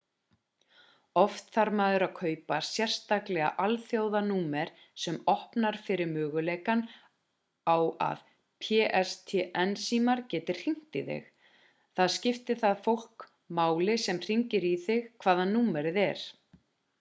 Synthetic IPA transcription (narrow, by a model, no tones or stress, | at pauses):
ɔft̪θaɾmaːðʏɾaðkʰœːɥpasjɛr̥st̪aklɛɣa̰ʔalθjowðanuːmɛɾ̥ | sɛmɔhpnaɾ̥fɪɾɪɾmœːɣʏleːjkan | awa̰ð | pʰɛːʔɛst̪ʰɛʔɛnsiːmaɾcɛːt̪ɪɾ̥r̥iŋ̥t̪ɪθɪ̰x | θaðscɪft̪ɪ̥θaðfowl̥k | maːwlɪsɛmr̥iɲcɪɾiθɪxkʰv̥aːðanːuːmɛɾɪðɛɾ̥